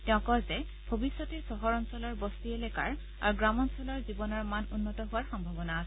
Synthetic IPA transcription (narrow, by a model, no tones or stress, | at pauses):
tɛʊ̃kɔzɛ | bʱobisːɔtesɔɦɔɹɔnsɔlɔɹbɔstiɛlɛkaɹ | a̰ɹuɡɹamɔnsɔlaɹzibɔnɔɹmanunːɔtɔɦʊwaɹxɔmbʱabɔnaːsɛ